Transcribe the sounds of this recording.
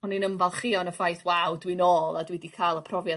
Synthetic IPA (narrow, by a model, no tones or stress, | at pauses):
ɔninəmvalˠχɪɔnəfajθwawdwinoːlˠadwɛdikʰaːlˠəpʰrɔvja